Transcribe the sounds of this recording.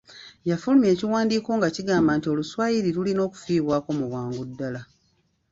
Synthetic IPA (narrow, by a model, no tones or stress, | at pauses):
jafulume̞ːciwaːndiːko̞ːŋɡaciɡaːmbaːntio̞luswaːjiɾiɾulino̞ːku̥fiːβwaːko̞muβwaːŋɡudːala